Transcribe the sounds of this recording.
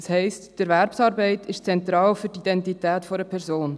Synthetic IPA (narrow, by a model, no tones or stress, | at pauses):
shɛɪstd̥ɛɾvɛɾpsɑːɾbɛɪtʰɪʃt͡sɛnt̪ɾɑːlfyɾtid̥ɛntitɛːtfoɾəpʰɛɾzoːn